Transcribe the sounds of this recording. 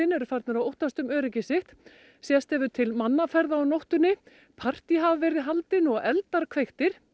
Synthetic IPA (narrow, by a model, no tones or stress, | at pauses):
ɪnɛɾʏfaɾt̪naɾawowht̪ast̪ʏmœːɾɪcɪsɪxt̪ | sjɛst̪ɛvʏt̪ʰɪlmanːafɛɾðaːwnowht̪ʏnːɪ | pʰar̥t̪iɦavvɛːɾɪðɦalt̪ɪnɔɣɛlt̪aɾkʰvejxt̪ɪɾ̥